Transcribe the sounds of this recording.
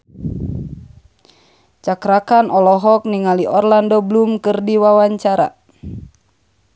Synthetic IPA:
t͡ʃakɾakanɔlɔɦɔk̚niŋaliʔɔrlandɔblumkɨrdiwawaɲt͡ʃaɾa̰

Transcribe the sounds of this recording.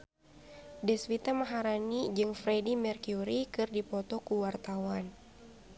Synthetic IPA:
dɛswit̪amaɦaɾanid͡ʒɨŋfɾɛdimɛrkjuɾikɨrdipɔt̪ɔkuwart̪awan

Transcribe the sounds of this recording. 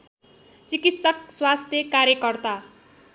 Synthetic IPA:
t͡sikit̪sʌkswast̪ʰjʌkaɾjʌkʌrt̪a

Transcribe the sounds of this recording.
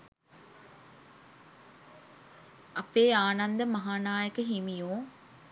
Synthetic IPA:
ɐpeːaːnɐnd̪əmɐɦaːnaːjəkəɦimijoː

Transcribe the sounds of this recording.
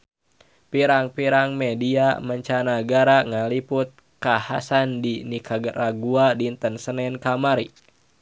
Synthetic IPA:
piɾaŋpiɾaŋmɛdiaməɲt͡ʃanaɡaɾaŋaliput̪̚ | kahasandinikʰaɡəraɡuadint̪ənsənɛnkamaɾḭ

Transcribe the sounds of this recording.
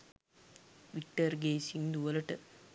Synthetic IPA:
ʋik̚ʈɐɾɡeːsiŋd̪uɐlɐʈə

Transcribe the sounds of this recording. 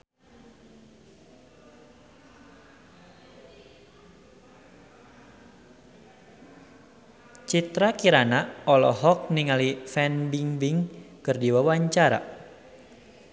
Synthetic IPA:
t͡ʃit̪ɾakiɾanaɔlɔ̰ɦɔk̚niŋalifɛnbiŋbiŋkɨrdiwawaɲt͡ʃaɾa̰

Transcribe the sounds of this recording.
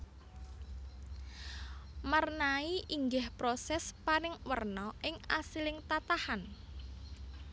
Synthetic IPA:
marnaiʔiŋɡɪhpɾosɛspaɾɪŋwərnɔʔɪŋasilɪŋt̪at̪ahan

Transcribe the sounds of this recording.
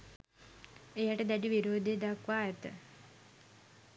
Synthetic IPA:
ejaʈəd̪ɛʈiʋiɾoːd̪ʱed̪akʋaːjət̪ə̰

